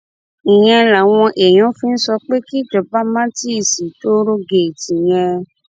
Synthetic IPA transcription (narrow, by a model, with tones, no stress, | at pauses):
ĩ˨j̃ɛ̃˧la˨w̃ɔ̃˧ʔe˨j̃ɔ̃˨˦fi˦n̩˦sɔ˧k͡pe˦ki˦˨d͡ʒɔ˨ba˦mã˦ti˦˨si˨to˦ɾo˦ɡe˨ti˨j̃ɛ̃˧